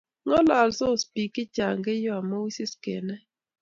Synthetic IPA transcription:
ŋɔ˦la˨lso˦˨spi˨kɪ˦t͡ʃa˨ŋɡe˦jo˦a˨mɔ˦wi˦sɪ˦skḛ˨nɛ˦

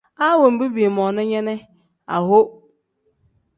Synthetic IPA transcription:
a˦wɔ˨m̩˨bi˦bi˨e˨mɔ̃˨nʊ̃˦ɲɛ̃˦nɪ̃˦ | a̰˨ɦo˦

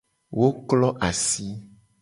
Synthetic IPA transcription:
wo˦klɔ˦ʔa˨si˦

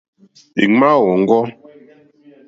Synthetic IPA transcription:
ḭ˨ŋ͡mma˦wɔ˨ŋ̩˦ɡɔ˦

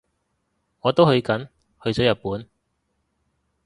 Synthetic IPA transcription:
ŋɔː˨˧t̪o˥whɵ˧ɥkɐ˨˥n | hɵ˧ɥt͡sɔː˨˥jɐ˨t̚puː˨˥n

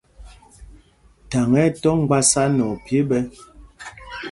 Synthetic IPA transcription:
ta˨ŋɛ˦˨tɔ˦ŋ˦ɡ͡ba˦sa˦nɔ˨pje˦bɛ˦

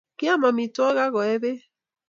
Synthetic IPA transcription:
ki˦a˦ma˨mi˨tɔ˦ɣa˦ɣɔ˨ɛ˦ðe˦

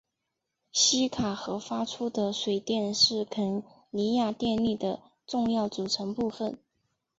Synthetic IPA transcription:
ɕi˥kʰa˨˩xɤ˧˥fa˥ʈ͡ʂʰu˥d̪ə˨ʂwe˨˩ɪt̪jɛ˥˧nʂɻ̩˥˩kʰə˧˥˩n | li˧˥ja˥˧t̪jɛ˥˧nli˥˩d̪ə˩ | ʈ͡ʂʊ˥˧ŋjɑ˥˩ʊt͡su˨˩ʈ͡ʂʰɤ˧˥ŋpu˥˧fə˨˩n

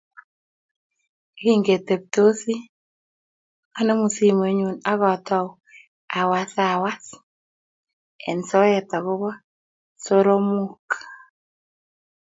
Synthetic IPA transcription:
ɡi˦ŋɡe˨te˨p̚to˦si˦ | a˦ne˦mu˨si˦me˨˦ɲu˨na˦ɣɔ˨tɔ˦w | a˨wa˨sa˨wa˦s | ɛ̰˨nsɔ˦ɛ˦ta˨ɣʊ˦βɔ˦ | so˦ɾo˦mu˦k

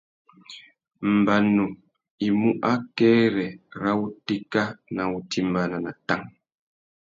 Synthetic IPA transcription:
m̩˨ba˨nu˨ | i˨mu˦ʔa˦kɛː˦ɾɛ˨ɾa˦u˦te˦ka˦na˨u˨ti˦m˦ba˦na˨na˨ta˦ŋ

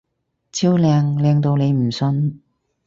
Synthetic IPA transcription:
t͡sʰiː˥wlɛː˨˧ŋlɛː˨˧ŋt̪o˧wne˨˧jm̩˨˩sɵ˧n

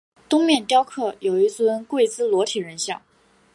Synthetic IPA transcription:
t̪ʊ˥ŋmjɛ˥˩nt̪jɑ˥ʊkʰɤ˥˩jo˨˩ʊi˥˩t͡swə˥nkwe˥˩ɪt͡sɹ̩˥lwɔ˧˥t̪ʰi˨˩ɻə˧˥nɕjɑ̰˥˩ŋ

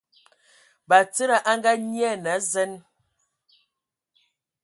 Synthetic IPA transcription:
ba˨t͡sə˦ɾa˨ʔa˦ŋ˦ɡa˦ɲ˦ɛ˦˨na˨˦zɛ˦n

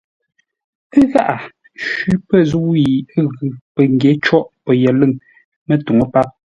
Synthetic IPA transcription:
ə˦ɣa˦ʔa˨ | ʃʉ˨˦pə˦zu˦i˨ə˦ɣʉ˨pə˨ŋ˨ɡje˨˦t͡ʃɔ˦ʔpə˨jɛ˨lɨ˦˨ŋ | mə˦tu˨ŋo˦pa˦p̚

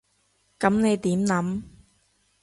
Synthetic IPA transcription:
kɐ˨˥mne˨˧jt̪iː˨˥mnɐ˨˥m

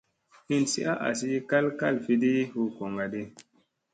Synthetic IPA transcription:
ni˦nsḭ˦ʔa˦ʔa̰˨s̬i˦ka˦lka˦˨lfi˧di˦hu˦ko˨ŋɡa˨di˦

